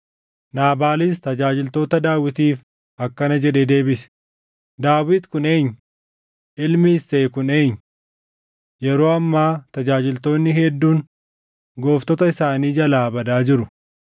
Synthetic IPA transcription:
naːbaːlɪs̬t̪ɐd͡ʒaːd͡ʒɪlt̪o̞ːt̪ɐd̪aːwɪt̪iːf | ʔɐkːɐnɐd͡ʒɛᶑed̪e̞ːbɪsɛ̥ | d̪aːwɪt̪kʊneːɲː | ʔɪlmɪsːeːkʊneːɲː | jɛɾo̞ːɐmːaːt̪ɐd͡ʒaːd͡ʒɪlt̪o̞ːnːɪɦɛd̪ːuːn | ɡo̞ːft̪ɔt̪ɐɪsaːniːd͡ʒɐlaːbɐd̪aːd͡ʒɪɾʊ

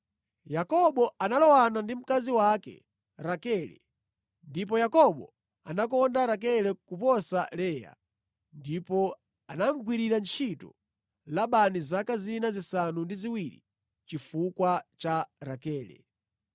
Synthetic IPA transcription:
jakɔɓɔanalɔwanandim̩kaziwakɛ̰ | ɾakɛːlɛ̰ | ndip̬ɔjakɔɓɔ̰ | anak̬ɔndaɾak̬ɛlɛkupɔsalɛja̰ | ndipɔ | anam̩ɡwiɾiɾant͡ʃʰitɔ̰ | laɓanizakazinazisanundiziwiɾḭ | t͡ʃifukwat͡ʃaɾakɛːlɛ̰

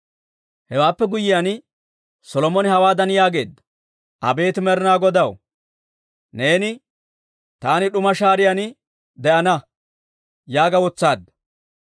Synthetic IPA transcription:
hɛwaːpːɛɡʊjɪjan | sɔlɔmɔnɪhɐwaːd̪ɐnjaːɡe̞ːd̪ːɐ̥ | ʔɐ̰be̞ːt̪ɪmɛɾɪnaːɡɔd̪ɐw | ne̞ːnɪ | t̪aːnɪɗʊmɐʃaːɾɪjan | d̪ɛʔɐnɐ | jaːɡɐwɔt͡sːaːd̪ːɐ

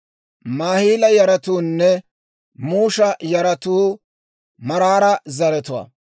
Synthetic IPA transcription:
maːhiːlɐjɐɾɐt̪uːnːɛ | muːʃɐjɐɾɐt̪uː | mɐɾaːɾɐzɐɾɛt̪ʊwɐ̰ː

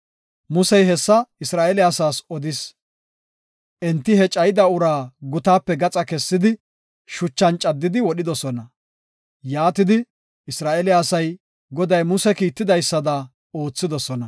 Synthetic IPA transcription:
mʊsɛjɦɛsːɐɪsɾaːʔɛlɪasaːsɔd̪ɪs | ʔɛnt̪ːɪhɛt͡ʃʼɐjɪd̪ɐʊɾaːɡʊt̪aːpːɛɡɐt͡sʼɐkɛsːɪd̪ɪ | ʃʊt͡ʃːɐnt͡ʃʼːɐd̪ːɪd̪ɪwɔɗɪd̪ɔsɔnɐ | jaːt̪ɪd̪ɪ | ɪsɾaːʔɛlɪaːsɐj | ɡɔd̪ɐjmʊsɛkiːt̪ːɪd̪ɐjsːɐd̪ɐ | oːt͡sːɪd̪ɔsɔnɐ

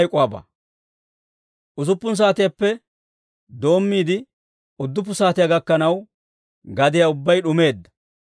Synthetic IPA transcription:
jkʼʊwaːba̰ː | ʔʊzʊpːʊns̬aːt̪ɪjapːɛ | d̪o̞ːmːiːd̪ɪ | ʊd̪ːʊp̬ːʊsaːt̪ɪjaɡɐkːɐnɐw | ɡɐd̪ɪjaʊbːɐjɗʊme̞ːd̪ːɐ̥

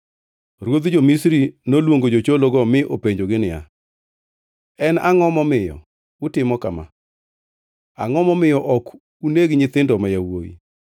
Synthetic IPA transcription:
ɾwod̪d͡ʒomisɾinolwoŋɡod͡ʒot͡ʃoloɡɔmɪʔopeɲd͡ʒoɡɪnɪja̰ | ɛnaŋɔmɔmɪjɔ̰ | utɪmɔkama̰ | a̰ŋɔmɔmɪjɔʔɔk | uneɡɲɪt̪ɪndɔmajawo̰ḭ

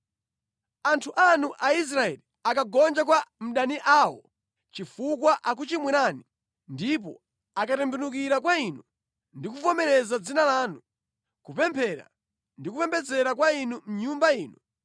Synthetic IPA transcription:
antʰuʔanuʔais̬ɾaɛli | akaɡɔnd͡ʒak̬wam̩ɗaniʔaːwɔ̰ | t͡ʃifukwaʔak̬ut͡ʃimwɛnaːni | ndip̬ɔ̰ | akatɛmbunuk̬iɾakwainu | ndikufɔmɛɾɛzad͡zinalaːnu | kupɛmpʰɛɾa̰ | ndik̬upɛmpʰɛd͡zɛɾakwainum̩ɲumbaiːnu

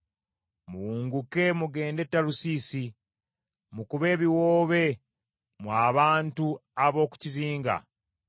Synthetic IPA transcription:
muwuːŋɡuke̞muɡe̞ːnde̞tːalusiːsi | mukuβe̞ːβiwoːβe̞ | mwaːβaːntuaβo̞ːku̥ciziːŋɡa̰

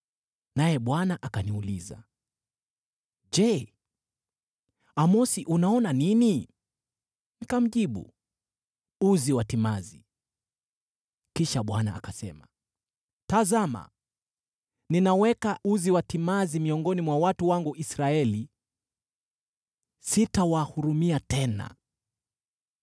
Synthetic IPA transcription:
najɛɓwanaʔakaniulḭza̰ | d͡ʒɛ | amɔsiʔunaɔnanini | nikam̩ʄiɓṵ | uziwatimazi | kiʃaɓwana̰a̰kasɛ̰ma | tazama̰ | ninawɛkauziwatimazimiɔŋɡɔnimwawatuwaŋɡuʔisɾaɛli | sitawahuɾumiatɛna̰

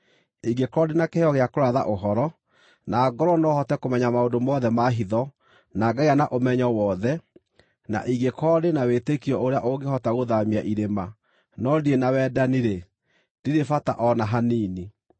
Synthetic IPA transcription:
iɡekɔdenakehɔɣeakoɾaða̰ʔoɦɔɾɔ | naːɡɔɾɔnɔhɔtɛkomɛɲamaondomɔðɛmaɦiðɔ | naːɡaianaʔomɛɲɔwɔðɛ | na̰ʔiɡekɔɾenawetekiɔoɾeaʔoɡehɔtaɣoðamiaʔiɾema | nɔdienawɛːdaniɾe | d̥iɾefataʔɔnaɦaniːni

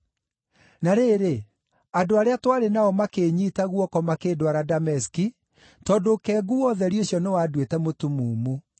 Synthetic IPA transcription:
naɾeɾe | adoaɾeatwaɾenaɔmakeːɲiːtaɣwɔkɔmakeːdwaɾadamɛski | tɔːdokɛɡuwɔðɛɾioɕjɔnewadwetɛmotumuːmu

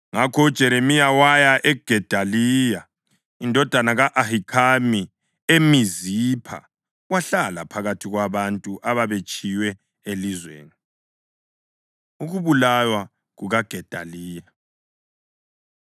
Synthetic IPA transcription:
ŋakʰɔud̥ʒ̥ʱɛɾemijawajaʔɛɡ̥ʱɛd̥ʱalija | indʱɔd̥ʱanaɣaʔahikʰami | emizipʰa̰ | waɬala̰pʰaɣatʰiɣwaβantʼuʔaβaβet͡ʃʼijwɛ | elizwḛːni | uɣuβulajwa | ɣuɣaɡ̥ʱɛd̥ʱa̰liːja

